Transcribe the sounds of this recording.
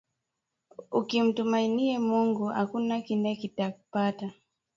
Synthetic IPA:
ukim̩tumainiɛmuŋɡuha̰kunakinɛkitakupata

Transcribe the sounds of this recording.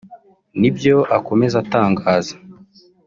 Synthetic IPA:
nibjo̞ʔako̞me̞zataːŋɡaːzḁ

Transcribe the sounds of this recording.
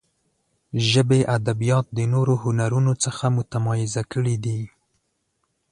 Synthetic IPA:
ʒəbeʔad̪abijɑt̪̚d̪ənoɾohʊnaɾunot͡səxamʊt̪amɑjɪzakəɽid̪i

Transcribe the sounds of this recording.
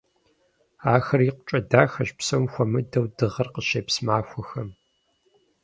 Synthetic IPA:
aːxɐriqʷʊt͡ʃʼɐdaːxɐɕpsɐwmxʷɔmɨdɐwdɨʁɐrqəʃeːpsmaːxʷɔxɐm

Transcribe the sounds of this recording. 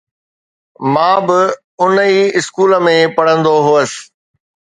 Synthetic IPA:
mãːbɪ | ʊnəiːɪskuːlə̆mẽpɐɽ̤ə̃nd̪oɦuəsɪ̥̆

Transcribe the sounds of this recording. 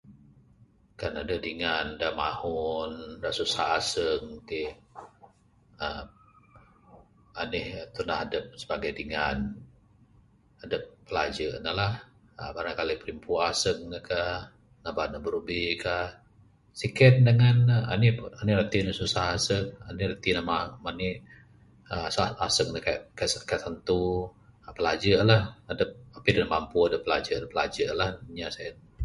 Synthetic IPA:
kanadədiŋandaʔma̰hɔndaʔsusa̰hasəŋt̪i | əm | anɪht̪unaɦadəp̚səbaɡajdiŋan | adəp̚ːəlad͡ʒənəlah | ə̰baɾaŋkalipəɾimpʰuasək̚nəka | nabaʔnəbəɾubika | sikət̪̚dəŋanəa̰nianiɾat̪inəsusahasək̚a̰niɾat̪inəmamani | əsaasək̚nəkakskaʔsant̪u | pəlad͡ʒəʔlahadəp̚apidəŋəmampuadəpːəlad͡ʒədəpːəlad͡ʒəʔlahɲasajə

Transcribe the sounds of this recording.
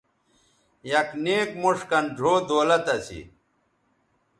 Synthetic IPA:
jɐkneːkmuʂkɐnɖʱoːd̪oːlɐt̪ɐsḭ

